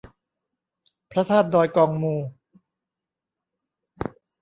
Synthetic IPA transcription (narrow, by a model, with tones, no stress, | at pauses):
pʰɾa˦˥t̪ʰaː˥˩t̪̚dɔː˧jkɔː˧ŋmuː˧